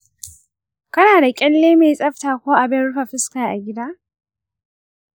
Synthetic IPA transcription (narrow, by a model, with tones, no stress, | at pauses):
kɐ˦naː˨da˨kʲʼɛ˦lːeː˦meː˨jsʼɐ˦ɸtaː˨kʷoː˦ʔa˨bɪ˦nɽʊ˦ɸa˨ɸɪ˦skaː˨ʔa˨ɡʲɪ˦daː˦